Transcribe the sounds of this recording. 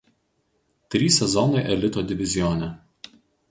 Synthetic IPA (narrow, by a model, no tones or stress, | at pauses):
t̪ʲɾʲiːsʲɛzɔnɐɪʔɛlʲɪt̪oːd̪ʲɪʋʲɪzʲɪjoːnʲɛ